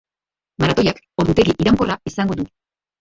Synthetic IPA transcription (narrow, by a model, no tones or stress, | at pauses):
maɾat̪o̞jak | o̞ɾðut̪e̞ɣiʔiɾaŋko̞raisaŋɡo̞d̪u